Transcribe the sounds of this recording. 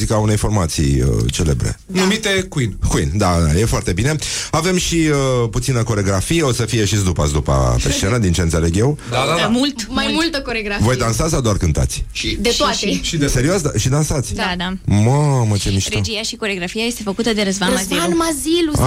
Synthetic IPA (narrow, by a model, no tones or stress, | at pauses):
zikəaune̞jfo̞rmat̪sḭə̰t͡ʃe̞le̞̰bɾḛ | numit̪e̞kuinkuind̪aaje̞foart̪e̞bine̞ave̞mʃiəput̪sinəko̞ɾeɡɾafijeo̞səfijeʃizd̪upasd̪upa̰peʃt͡ʃenəd̪int͡ʃent̪sele̞ɡʲje̞wd̪aamult̪majmult̪əkoɾeɡɾavo̞jd̪ansasad̪oarkɨnt̪a̰t̪sʲʃid̪et̪oat̪eʃid̪eseɾioasd̪aʃid̪ansat̪sʲd̪ad̪amamət͡ʃemiʃɾd͡ʒijaʃiko̞ɾeoɡɾafiaje̞st̪e̞fəkut̪əd̪eɾəzvanmazanmazilua